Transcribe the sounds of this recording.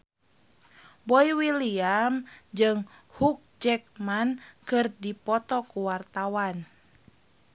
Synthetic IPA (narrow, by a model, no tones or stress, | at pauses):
bɔiwiliamd͡ʒɨŋhuk̚d͡ʒɛk̚mankɨrdipɔt̪ɔkuwart̪awan